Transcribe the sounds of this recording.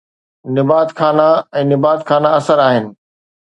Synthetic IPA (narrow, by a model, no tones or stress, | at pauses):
nɪbaːt̪xʰaːnaɛ̃ːnɪbaːt̪xʰaːnaɐsəɾaːɦɪnɪ̆